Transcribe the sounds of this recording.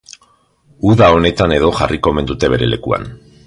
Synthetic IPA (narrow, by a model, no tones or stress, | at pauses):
uðao̞ne̞t̪ane̞ð̞o̞ʝariko̞me̞nd̪ut̪e̞β̞e̞ɾe̞le̞kua̰n